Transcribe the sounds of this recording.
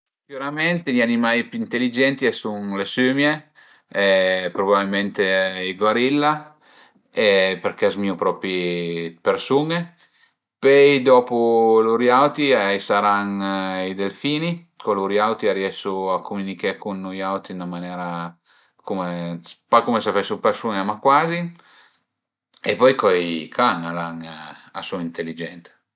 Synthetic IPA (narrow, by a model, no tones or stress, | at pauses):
juɾamɛnt̪eʎianimajpːint̪elːid͡ʒɛnt̪iesuŋlesømje | ɛpɾobabilment̪eiɡwaɾilːa | epeɾkezmiupɾɔːpɾipeɾsuŋe | pɛjd̪ɔːpuluɾjawt̪iajsaɾanid̪elfiːni | kɔluɾjawt̪iaɾjɛʃuakʰumunikekunːujawt̪inamanjɛːɾa | kumespakumesafɛsupeɾsuŋemakwaːzi | epɔjkɔjkʰaŋalaŋasuaint̪elːid͡ʒɛnt̪